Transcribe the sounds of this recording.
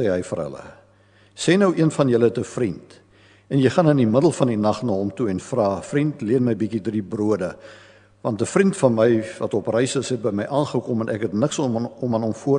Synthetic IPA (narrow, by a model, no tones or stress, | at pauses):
ɛːɦəjfə̰rɦə̰lə̰ | sɛːnəwʔiənfɐnjələtəfrint | ɛnjəjχɐnənimədəlˠfɐndinɐχnɑːɦɔmtuɛnfrɑːfrintliənməjbikidribruədə | vɐntəfrintfɐnməjvɐtɔprɛjsəsɦɛt̚bəjməjʔɑːnχəkɔmənʔækɦɛtnəksɔmənɦɔmfuə